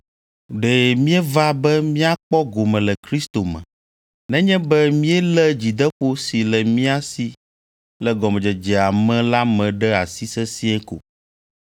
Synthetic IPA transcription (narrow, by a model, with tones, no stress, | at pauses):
ɖɛ˨mĩ˦ɛ˦va˦bɛ˦mĩ˦a˦k͡pɔ˦ɡo˨mɛ̃˨lɛ˨kɾi˦st̪o˨mɛ̰̃˨ | nɛ̃˦ɲɛ̃˦bɛ˦mĩ˦ɛ˦lɛ˦d͡ʑi˨d̪ɛ˦ɸo˦si˨lɛ˨mĩ˦a˦si˦ | lɛ˨ɡɔ˨mɛ̃˨d͡ʒɛ˨d͡ʒɛ˨a˨mɛ̃˦la˦mɛ̃˨ɖɛ˦a˨si˦sɛ˦si˦ɛ̃˦ko̰˨